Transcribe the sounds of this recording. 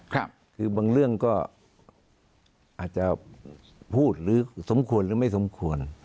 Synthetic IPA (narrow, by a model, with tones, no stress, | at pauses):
kʰɾa˦˥˩p̚kʰɯː˧baː˧ŋɾɯ˥˩əŋkɔː˥˩ | ʔaː˨˩t̪̚t͡ɕa˧ | pʰuː˥˩t̪̚ɾɯː˨˦so˩˨˦mkʰu˧ənlɾɯː˩˦ma˥˩jso˩˦mkʰu˧ən